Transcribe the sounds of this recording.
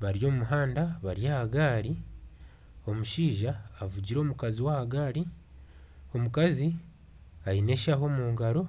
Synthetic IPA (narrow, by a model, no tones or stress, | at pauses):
βaɾjo̞ːmumuɦaːndaβaɾjahaɡaːɾi | o̞muʃiːʒaːvuɟiɾo̞ːmukaziwahaɡaːɾi | o̞mukazi | ajine̞ʃaɦo̞ːmuːŋɡaɾo̞